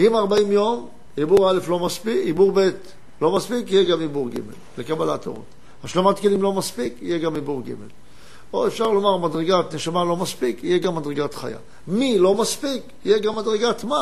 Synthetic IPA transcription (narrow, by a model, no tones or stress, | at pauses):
imaʁbaimjo̞m | ibuʁale̞flo̞maspiibuʁbe̞t | lo̞maspikijeɡamibuʁɡḭme̞̰llekabalato̰ʁo̰t | haʃlamatkelimlo̞maspikijeɡamibuʁɡḭmḛl | oefʃaʁlo̞maʁmadʁeɡatneʃamalo̞maspikijeɡamːadʁeɡatχa̰ja̰ | milo̞maspik | ijeɡamːadʁeɡatma